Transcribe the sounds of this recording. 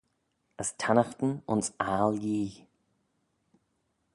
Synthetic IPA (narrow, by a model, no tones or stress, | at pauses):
əstʰanaxt̪n̩ʊ̰nsaːljiː